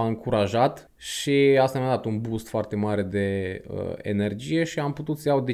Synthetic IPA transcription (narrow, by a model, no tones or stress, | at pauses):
aɨŋkuɾaʒat̪ | ʃiast̪amad̪at̪unbust̪foart̪e̞maɾe̞d̪e̞ə̰ḛne̞rd͡ʒije̞ʃiamput̪ut̪səjawd̪e